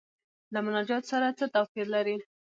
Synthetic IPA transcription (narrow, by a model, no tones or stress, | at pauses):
lamʊnɑd͡ʒɑt̪osaɾat͡sət̪afiɾlaɾi